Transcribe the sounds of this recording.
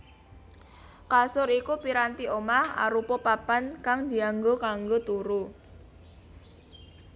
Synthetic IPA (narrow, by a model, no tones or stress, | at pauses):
kasʊɾikupiɾant̪iʔomaha̰ɾupɔpapankaŋd̪̥i̤aŋɡokaŋɡot̪uɾu